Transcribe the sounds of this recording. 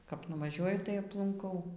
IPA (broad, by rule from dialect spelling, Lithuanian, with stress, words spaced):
kɐp nʊʋɐˈʒʲuɔjʊ tɐɪ ɐplˠʊŋˈkɐʊ